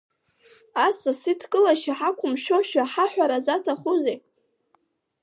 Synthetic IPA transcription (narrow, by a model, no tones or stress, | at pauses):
asasitʰkʼɨlaʃiħakʷʰʊmʃᶣoʃᶣaħaħʷᶣaɾad͡zatʰaχuzejʼ